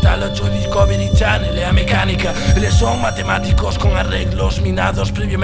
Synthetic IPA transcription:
t̪a̰lot͡ʃoβikɔβeɾit͡ʃaneleamekanikaelesoŋmat̪emat̪ikoskoŋareɣlozmina̰ðospɾeβjom

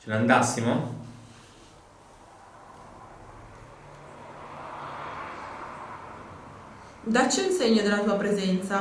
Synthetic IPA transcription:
t͡ʃenand̪asːimo | d̪at͡ʃːeunseɲːod̪elːat̪uːapɾezɛnt̪sa

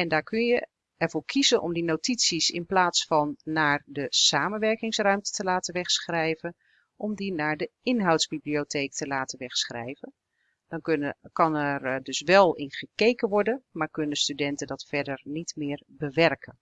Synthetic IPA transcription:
ɛndaːɹkønjə | ɛrv̥ʊːɹkʰizənʔɔ̰mdinowtisisɪ̰nplaːtsfɔnːaːrdəsaːmənʋɛɹkɪŋsrœɥmtə̥təlaːtəʋɛxsχrɛjvən | ʔɔmdinaːɹdəɪnɦawtzbibliotʰeːktəlaːtənʋɛxsχrɛ̰jvən | d̥ɔnkɑnɛrdøsʋɛlˠɪnχəkejkənʋɔɹdənmaːɹkønədəstydɛntədɑtfɛɹdərnitmɪːrbəʋɛrkʰən

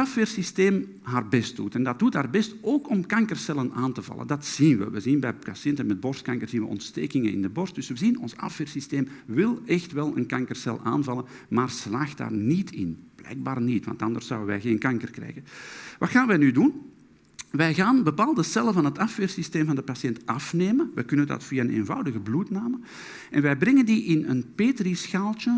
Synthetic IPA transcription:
ɑfʋeːrsisteːm | ɦaːrbɛst̚dutɛndɑt̚d̥utɦaːrbɛstoːkɔmkɑŋkərsɛlənaːntəvɑ̰lˠə̰ndɑtsinʋə̰ʋəzinbɛjkasɪntənmɛd̚bɔrstkɑŋkərzinʋəɔ̰ntsteːkɪŋənɪ̰ndəbɔrst̚d̥ʏsʋəzinɔnsɑ̰feːrsisteːmʋɪlˠɛxtʋɛlˠə̰nkɑŋkərsɛlˠa̰ːnvɑlˠən | maːrslaːxtda̰ːrnitʰɪ̰nb̥lɛ̰jɡ̚baːrnitʋɑ̰ntɑndərsːɔwdəʋɛ̰jɣeːnkɑŋkərkrɛ̰jɣəʋɑtxaːnʋɛjnydun | ʋɛjɣaːnbəpaːlˠdəsɛləvɑnɦətɑfʋeːrsisteːmvɑndəpasjɛntɑfneːmənʋɛkɵnəndɑ̰tfiːaənḛːnvɑ̰wdəɣəblutnaːmə | ɛnʋɛjbrɛŋəndiʔɪnənpeːtrɾisxaːlˠtə

